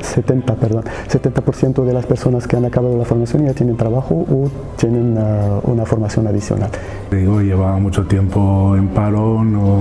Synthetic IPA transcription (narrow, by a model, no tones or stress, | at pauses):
set̪ent̪apeɾðon | set̪ent̪apoɾθjent̪oðelaspeɾsonaskeanakaβaðolafoɾmasjoniʝat̪jenent̪ɾaβaxoʔo | t̪jenenṵnafoɾmasjonaðisjo̰nal | ðiɣojeβamut͡ʃot̪jempoempaɾono